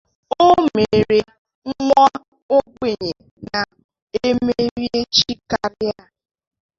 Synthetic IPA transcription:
o˦me˨ɾe˨ | ŋ̩˦m˦ɔ˦ | o˦ɡ͡be˨ɲe˨ | na˨ | e˦me˦ɾje˦t͡ʃi˦ka˨ɾɪ˦a˦

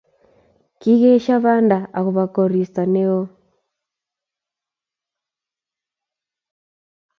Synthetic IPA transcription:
ki˦ɣɛ˦ʃa˦βa˦nda˨a˨ɣu˨βa˨kɔ˨ɾi˨sa˨ne˦ɣɔ˦

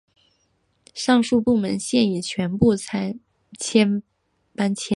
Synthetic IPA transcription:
ʂɑ˥˧ŋʂu˥˧pu˥˩mə˧˥nɕjɛ˥˩ni˨˩t͡ɕʰɥɛ˧˥npu˥˩t͡sʰa˧˥ɪ | t͡ɕʰjɛ˥n | pa˥nt͡ɕʰjɛ˥

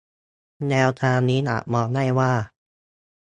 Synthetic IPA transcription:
nɛː˧wt̪ʰaː˧ŋniː˦˥na̰˨˩ʔ̚mɔː˧na˥˩jwaː˥˩

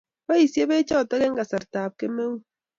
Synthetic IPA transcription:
ba˦i˨se˦be˦t͡ʃɔ˦˨ta˦ɣe˦ŋ̩˦ɡa˨sa˨ɾta˨p̚ke˦me˦wu˦

